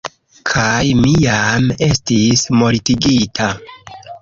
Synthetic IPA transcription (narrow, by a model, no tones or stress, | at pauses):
kʰajmijame̞stismo̞litiɡitʰa